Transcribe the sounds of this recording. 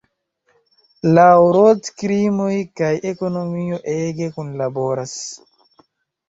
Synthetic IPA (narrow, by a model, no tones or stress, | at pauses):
lawɾotkɾimojkajʔeko̞nomioʔeɡekunlabo̞ɾas